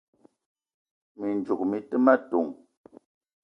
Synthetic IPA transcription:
mi˨n˨d͡ʒu˨k̚mi˨tɨ˦ma˦˨tu˨ŋ

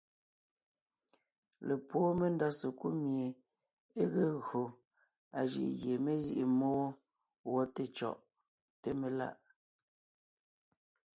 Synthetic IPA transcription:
le˨pwoː˦me˦n˦da˦se˨ku˦mje˨ | e˦ɣe˦ɣo˨ | a˨ʒḭ˨ʔɣje˨me˦zi˦ʔi˨mo˦ | wɔ˦te˦t͡ʃɔ̰˨ʔ | te˦me˦˨la̰˦˨ʔ

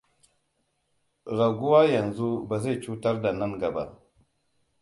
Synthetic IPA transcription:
ɾa˨ɡu˦wa˦ja˨nzu˦ba˨ze˦˨t͡ʃu˦ta˦ɾda˨na˦nɡa˨ba̰˨

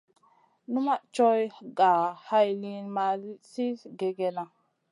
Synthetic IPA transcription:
nu˦ma˦t͡ʃo˦jɡa˨ha˦jli˦nma˦lsi˦ɡe˨ɡe˦na˨

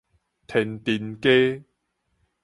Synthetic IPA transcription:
t̪ʰɪ˨˩nt̪iː˧˩nke˦

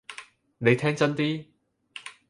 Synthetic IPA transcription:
ne˨˧jt̪ʰɛː˥ŋt͡sɐ˥nt̪iː˥

